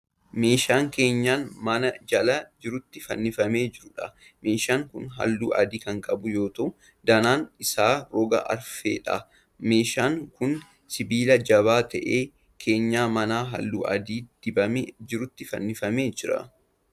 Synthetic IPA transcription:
me̞ːʃaːŋke̞ːɲːaːnmɐnɐd͡ʒɐlɐd͡ʒɪɾʊt̪ːɪfɐ̰nːɪfɐme̞ːd͡ʒɪɾʊᶑɐ | me̞ːʃaːŋkʊnɦɐ̰lːṵːʔɐ̰d̪iːkɐŋkʼɐbʊjo̞ːt̪ɐʔʊ | d̪ɐnaːnɪsaːɾɔɡɐ̰ʔɐ̰ɾfe̞̰ːᶑɐ̰ | me̞ːʃaːŋkʊn | sɪbiːlɐd͡ʒɐβaːt̪ɐ̰ʔe̞ː | kʰe̞ːɲːaːmɐnaːɦɐ̰lːṵːʔɐ̰d̪iːd̪̥ɪbɐmed͡ʒɪɾʊt̪ːɪfɐ̰nːɪfɐme̞ːd͡ʒɪɾɐ̰

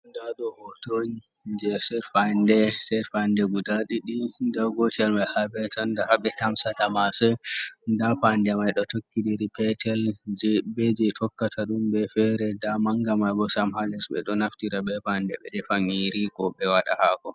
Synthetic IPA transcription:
ndaɗɔhɔtoɲi | d͡ʒɛsɛɾfandɛsɛɾfandɛɡudaɗiɗindaɡɔtalmajhabɛtandahaɓɛtamsatamasɛndapandɛmajɗɔtokːidiɾipɛtɛld͡ʒbɛd͡ʒɛtʰɔkːatʰaɗumbɛfɛɾɛdamaŋɡamajɡɔsamhalɛsɓɛ̰ɗɔnaftiɾaɓɛpandɛɓɛɗɛfaŋiɾikɔɓɛwaɗa̰haɡɔ

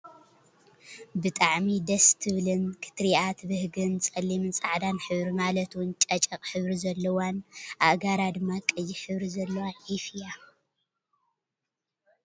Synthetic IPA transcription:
bɨt̪ʼaʕmid̪ɐst̪ʰɨβlɨnkʰɨ̥t̪ɾiʔat̪bɨhɡɨnt͡sʼɐlːimɨnsʼaʕd̪anħɨβɾimalɐt̪wʊnt͡ʃʼɐt͡ʃʼɐqʼħɨβɾizɐlːɐwanʔaʔɡaɾad̪ɨmːakʼɨjiħɨβɾizɐlːɐwaʔifɨja

